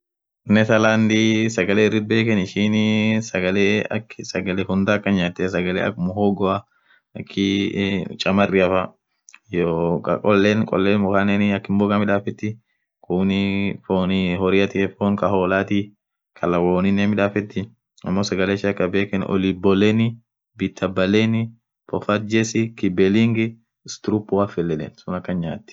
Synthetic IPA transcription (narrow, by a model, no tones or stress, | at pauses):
nɛt̪ɐlaːnd̪isɐɡɐleːɪrːɪd̪̚be̞ːkɛnɪʃɪnsɐɡɐleːɐksɐɡɐlehʊnd̪aːɐkːɐɲaːt̪ːɛsɐɡɐlḛːɐ̰kːʊmʊhoːɡɔɐ | ɐkʰːɪ | t͡ʃʼɐmɐrːɪɐfɐ | jokɐkʼɔlːeːnkʼɔ̰lːeːnmʊkaːnɛnɪɐkːɪmboːkʼɐmɪᶑaːfɛt̪ːɪ | kʊːnɪfoːnɪhɔɾɪɐt̪ɪɛfoːnkɐhoːlaːt̪i | kʰɐlɐwoːnɪneːmɪᶑaːfɛt̪ːɪ | ɐ̰mːoːsɐɡɐleːʃɐɐkːɐbeːkɛn̰ʔɔ̰libɔlɛnɪ | bit̪ʰːɐbːɐleːnɪ | pʰɔfɐt̪̚d͡ʒɛsɪkɪbɛlɪŋɡɪ | st̪ʊɾupːʊafɛlːɛlɛ̰nsʊnɐkːɐnɲa̰ːt̪ːɪ̥